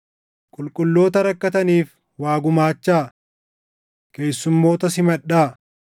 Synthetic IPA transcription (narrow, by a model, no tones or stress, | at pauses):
kʼʊlkʼʊlːo̞ːt̪ɐɾɐkːɐt̪ɐniːf | waːɡʊmaːt͡ʃːaː | ke̞ːsːʊmːo̞ːt̪ɐsɪmɐᶑaː